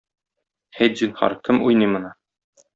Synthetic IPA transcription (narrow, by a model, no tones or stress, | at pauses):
χæjt̪ʑinhɑ̰ɾkɘmujnɤjmɤ̆nɑ